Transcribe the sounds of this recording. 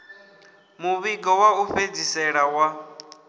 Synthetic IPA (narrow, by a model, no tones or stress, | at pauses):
muβiɡɔwauɸed͡zisɛɺawa